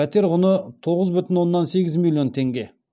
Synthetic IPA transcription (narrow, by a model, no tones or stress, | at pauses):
æt̪e̞ɾʁʊnət̪ʰo̞ʁəzbʏt̪ɪnwo̞nːɑnse̞ɡʲɪzmʲilʲˠːijo̞nt̪ʰe̞ŋɡʲe̞